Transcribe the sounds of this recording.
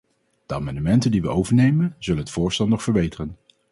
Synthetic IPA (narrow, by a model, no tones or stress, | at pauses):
d̥əa̰ːmɑndəmɛntəndiʋə̰owvəɹnejmənzɵlənɦətfʊːɹstɛlˠnɔχfəɹbejtərən